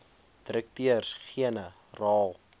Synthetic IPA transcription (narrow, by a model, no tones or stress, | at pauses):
d̥əɾək̚tyərsχiənə | rɑːlˠ